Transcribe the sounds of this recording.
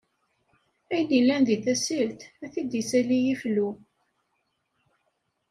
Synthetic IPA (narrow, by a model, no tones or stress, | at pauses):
æjnilænðiθæsilt̪æθid̪isælijiflu